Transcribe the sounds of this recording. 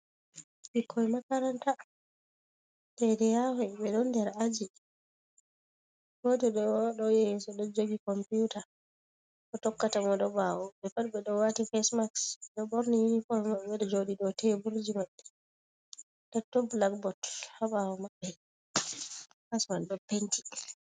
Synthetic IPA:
bikʰːɔjmakaɾanta | tɛdɛjawɛɓɛɗɔndɛɾad͡ʒi | ɡɔtɛɗɔɗɔjejinsɔɗɔd͡ʒoɡikɔmputa | kɔtɔkːatamɔdɔbawɔbɛfatbɛɗɔwatifɛsmaksɗɔbɔɾnijinifɔlmaɛdɛd͡ʒoɗiɗɔtɛbuɾd͡ʒimaɓɛ | d̥ɛtːɔblakbɔthabawɔmaɓːɛ | hasmandɔpːentʰi̥

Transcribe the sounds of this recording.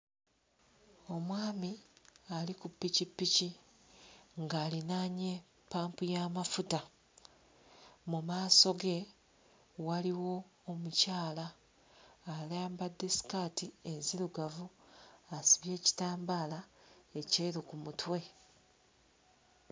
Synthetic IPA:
o̞mwaːmialikupːicipːici | ŋɡaːlinaːɲe̞ | pːaːmpujaːmafuta | mumaːso̞ɡe̞ | waliwo̞ːmucaːlaː | laːmbad̪ːesi̥kaːtienziɾuɡavuasiβje̞ːci̥taːmbaːlae̞ceːɾukumutwe̞

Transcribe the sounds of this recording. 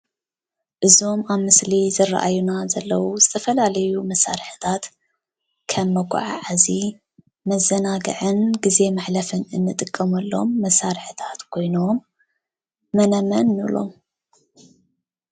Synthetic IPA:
ʔɨzo̞maβmɨslizɐra̰ʔa̰junazɐlːɐwuzɨt̪ʰɐfɐlalɐjumɐsa̰ɾɨħɨt̪ʰat̪ | kʰɐmːɐɡʷʼa̰ʕa̰ʕazi | mɐzːɐnaɡɨ̰ʕɨnɡize̞maħlɐfɨnɨnːɨt̪ʼɨkʼːɐmɐlːo̞mːɐsaɾħɨt̪ʰḁt̪kʰo̞jnom | ɐnɐmɐnːɨlo̞̰m

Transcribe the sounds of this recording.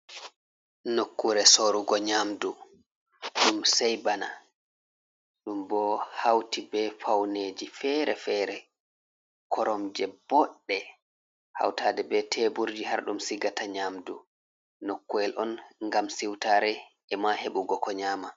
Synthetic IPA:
nokːuɾɛsoɾuɡɔɲaːmdu | ɗumsɛjbana̰ | ɗumbɔhawtibɛfawned͡ʒifɛɾɛfɛːɾɛ | kʰɔɾɔmd͡ʒɛbɔɗːɛ | ha̰wtaːdɛbɛtʰɛbuɾd͡ʒihaɾɗumsiɡataɲaːmdu | nokːuɛlʔɔnŋɡamsiwtaːɾɛ | ɛmaheɓuɡɔkɔɲaːma

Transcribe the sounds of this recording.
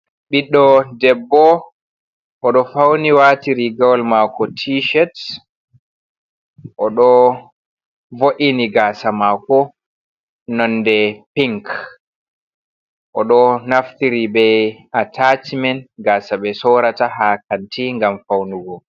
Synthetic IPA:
ɓiɗɔdɛbːɔ | ʔɔɗɔfawniwaːtiɾiɡawlmakɔtʰiʃɛt | ʔɔɗɔ | voʔiniɡaːsamakɔ | nɔnːdɛpiŋk | ʔɔɗɔnaft̪iɾibɛ | atatmɛnɡasaɓɛsɔɾatahakantiŋɡamfawnuɡɔ

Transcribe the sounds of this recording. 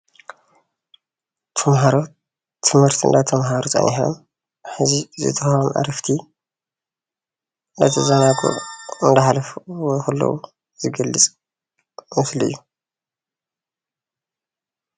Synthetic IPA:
t̪ʰɐmɦaɾo | t̪ʰːɨmhɨɾt̪ʰɨ̰nd̪at̪ʰɐmɦaɾot̪ʼa̰nʔiħo̰m | ħɨzizɨ̰t̪ʰɐxmʔa̰ɾɐft̪ʰi | nd̪ɐt̪ʰɐzanaɡṵʕɨnd̪ɐħalɐfwxɐlːɐ̰wu | z̥ɨɡɐlːɨt͡sʼ | mɨslɨ̰jːu

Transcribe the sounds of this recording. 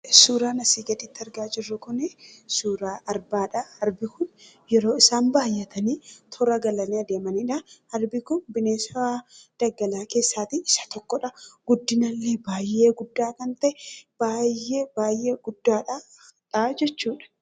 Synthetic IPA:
suːɾaːnɐsiːɡɐᶑ̪ɪt̪ːɪɐɾɡaːd͡ʒɪrːʊkʊnɪsuːɾaːʔɐɾbaːᶑɐhɐɾbɪkʊn | jɛɾo̞ːɪsaːnbaːjːɐt̪ʰɐniːt̪ʰɔɾɐɡɐlɐniːɐd̪eːmɐniᶑɐhɐɾbɪkʊnbɪneːsɐad̪̥ɐɡːɐlaːke̞ːsːaːt̪iɪsɐ̥t̪ɔkːɔᶑɐɡ̥ʊd̪ːɪnɐlːeːbaːjːe̞ːɡʊd̪ːaːkɐnt̪ɐʔɛb̥aːjːeːb̥aːjːeːɡʊd̪ːaːᶑɐ | ᶑad͡ʒɛt͡ʃːuːᶑɐ̥

